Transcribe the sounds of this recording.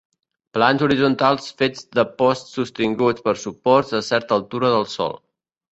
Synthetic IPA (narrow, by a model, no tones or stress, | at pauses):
planzuɾizunt̪alˠsfed͡zd̪əpɔst̪sust̪iŋɡut͡spəɾsupɔɾzəsɛɾt̪əːlˠt̪uɾəðəlˠsɔ̰lˠ